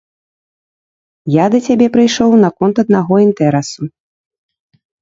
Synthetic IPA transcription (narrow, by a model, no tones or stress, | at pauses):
jad̪ɐt͡sʲabʲɛpɾɨjʂɔwnɐkɔnt̪ɐd̪̚naɣɔint̪ɛɾɛsu